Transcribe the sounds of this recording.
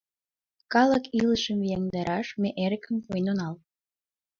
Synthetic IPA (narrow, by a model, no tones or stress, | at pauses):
kɑləkiləʃəmjeŋd̪ɑɾʔɑʃmeʔeɾəkə̆mpojnonɑl